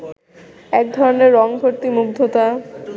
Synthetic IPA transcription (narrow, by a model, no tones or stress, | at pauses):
ɛkd̪ʱɔɾoneɾːɔŋbʱoɾt̪imuɡ̚d̪ʱot̪a